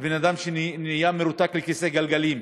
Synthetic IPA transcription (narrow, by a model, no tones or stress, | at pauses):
benad̪amʃennijameɾut̪aklekiseɡalɡalim